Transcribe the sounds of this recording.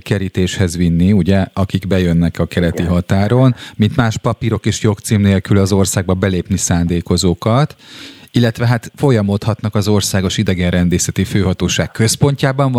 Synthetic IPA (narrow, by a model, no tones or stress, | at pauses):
kɛɾit̪eːʃhɛzʋinːiuɟɛɒkiɡbɛjø̞nːɛkɒkɛlɛt̪iɦɒt̪aːɾo̞nmint̪maːʃpɒpiɾo̞keːʃjo̞kt̪siːmneːlkylɒzo̞rsaːɡ̚bɒbɛleːpnisaːnd̪eːko̞zoːkɒt̪ilːɛt̪ʋɛɦat̪fo̞jɒmo̞t̪hɒt̪nɒkɒzo̞rsaːɡo̞ʃid̪ɛɡɛnrɛnd̪eːsɛt̪iføːɦɒt̪oːʃaːkkːø̞spo̞ɲcaːbɒɱ